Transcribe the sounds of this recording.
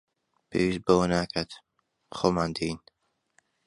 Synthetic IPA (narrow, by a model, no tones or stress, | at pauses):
pʰḛwist̪̚bɐwɐnaːkʰat̪ | xoːmaːnd̪in